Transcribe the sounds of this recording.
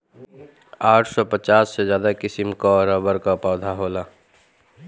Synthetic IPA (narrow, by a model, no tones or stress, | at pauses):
aːʈʰsɔpət͡ʃaːsːed͡ʒjaːd̪akɪsɪmkaɾəbəɾkapɔːd̪ʱaɦoːla